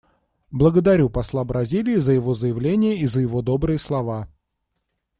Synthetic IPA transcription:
blˠəɡəd̪ɐɾʲupɐslˠabɾɐzʲilʲɪːzəjɪvo̞zəjɪvlʲenʲɪjəizəjɪvo̞d̪o̞bɾɨjəslˠɐva

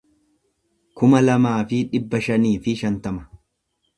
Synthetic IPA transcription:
kʊmɐlɐmaːfɪᶑɪbːɐʃɐniːfɪʃɐnt̪ɐmɐ̥

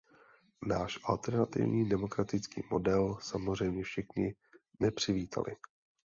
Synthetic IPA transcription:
naːʃʔalt̪ɛɾnat̪ɪ̰vɲiːdɛmo̞kɾat̪ɪt͡skḭːmo̞dɛlsamozr̝ɛjmɲɛfʃɪxɲɪ | nɛpr̝̥ɪviːt̪ʰa̰lɪ̰

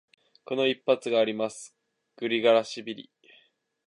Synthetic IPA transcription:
ko̞no̞ipːat͡sɨɡaːɾʲimasɨ̥ | ɡ̥ɯ̟ɾʲiɡaɾaɕibʲiɾʲḭ

